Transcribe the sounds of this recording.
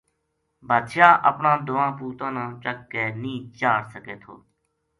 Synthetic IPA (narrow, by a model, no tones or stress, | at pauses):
bʱəd̪ʃaːʔəpnãːd̪ʊʋãːpuːt̪ãːnãːt͡ʃəkːeːnĩːt͡ʃaːɽsəkeːt̪ʰo̰ː